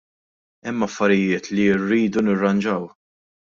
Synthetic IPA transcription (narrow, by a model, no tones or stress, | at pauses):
ɛmːɐfːɐɾɪjɪːt̪liɪrːiːd̪unɪrːɐnd͡ʒɐw